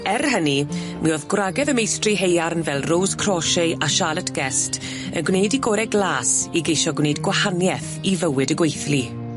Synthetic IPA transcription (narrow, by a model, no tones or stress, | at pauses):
ɛrhəni | mʔiɔðɡwraɡɛðəmejstriɦejaɾənvɛlˠrowskʰrɔʃeɨaʃaːlˠətʰɡ̥ɛstʰ | ə̰nɡwnejdiɡɔːɾɛɡlˠaːsiɡejʃɔɡwnejdɡwahanjɛθ | ivəwɨdəɡwejθli